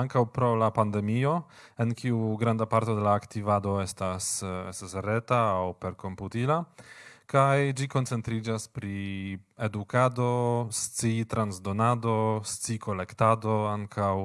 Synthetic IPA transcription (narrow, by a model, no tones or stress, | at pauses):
aŋkawpɾo̞lapand̪e̞mio̞ | e̞nkiuɡɾandapaɾto̞de̞laːktivado̞e̞stasestasɾe̞taːwpe̞ɾko̞mputilakajd͡ʒiko̞nt͡se̞nt̪ɾid͡ʒaspɾie̞dukado̞st͡sit̪ɾanzdo̞nado̞st͡siko̞le̞ktado̞aŋkʰaw